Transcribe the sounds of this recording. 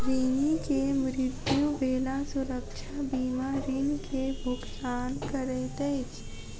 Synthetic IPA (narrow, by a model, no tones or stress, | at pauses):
ɾiːnikemɾɪd̪jũbeːlasʊɾəkʃʰabiːmaɾinikʰebʱʊɡtaːnkəɾet̪ɛet͡ʃʰ